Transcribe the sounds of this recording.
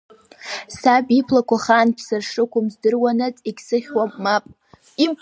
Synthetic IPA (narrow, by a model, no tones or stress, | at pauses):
sabʼipʰlakʷʰaχanpʰsɨrʂɨkʷʊmzdɨrwanɨt͡sʼikʲsɨχʲwamʼmapʼ | im